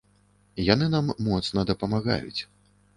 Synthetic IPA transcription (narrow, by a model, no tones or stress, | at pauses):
janɨnamːɔt̪snɐd̪ɐpɐmaɣa̰jṵt͡sʲ